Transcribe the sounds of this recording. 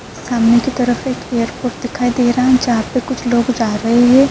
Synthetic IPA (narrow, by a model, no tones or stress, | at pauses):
saːmnekit̪ɐɾəfeːkeːjəɾpoːɾʈ̚d̪ɪkʰaːid̪eːɾɐɦɛ̃d͡ʒɐɦaːpːekʊt͡ʃʰloːɡd͡ʒaːɾɐɦeɦɛ̃ː